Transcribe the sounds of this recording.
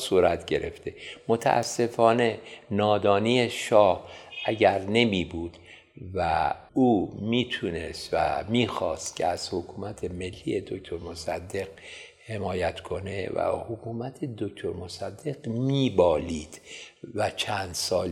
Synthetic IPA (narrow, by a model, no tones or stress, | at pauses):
suːɾæt̪ɟe̞ɾʔe̞ft̪e̞mot̪ʰæ̰ʔæ̰sːe̞fɒːne̞nɒːd̪ɒːnieʃɒːhʔæɟæɾne̞miːbuːd̪̥ | væ | uːmiːt̪ʰuːne̞st̪væ̰miːxɒːst̪cʲʰḛæz̥hokʰuːmæt̪ʰe̞me̞lːije̞d̪o̞kt̪ʰoɾmosæ̰d̪ːe̞ɡ̥ | he̞mɒːjæt̪ʰkʰo̞nevæ̰hokʰuːmæt̪ʰed̪okt̪ʰoɾmosæd̪ːe̞ɡmiːbɒːliːd̪̥væt͡ʃʰænd̪sɒːl